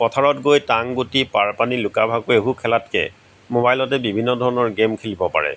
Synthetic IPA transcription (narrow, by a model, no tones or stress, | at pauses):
pɔtʰaɹɔtɡojtaŋɡotipaɹpanilʊkabʱaɡoeɦukʰɛlatkɛ̰ | mobajlɔtɛbibʱinːɔdʱɔɹɔnɔɹɡemkʰelibɔpa̰ɹɛ̰